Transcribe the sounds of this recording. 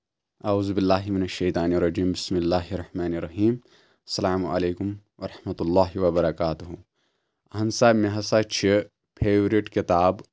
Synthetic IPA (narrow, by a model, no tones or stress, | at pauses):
ʔɐuːzubɪlːaːɦimɪnɐʃːɐjt̪aːniɾˤɐd͡ʒiːmbɪsmɪlːaːɦɾˤːɐħmaːniɾˤːɐɦiːm | ɐsɐlaːmuʔɐ̰leːkʊm | ʋɐɾˤɑħmɐt̪ulˤːaːɦiʋɐbɐɾɐkaːt̪uɦu | ɐɦɐnsaːmeɦɐsaːt͡ʃʰi | pʰeːʋɾiʈkɪt̪aːb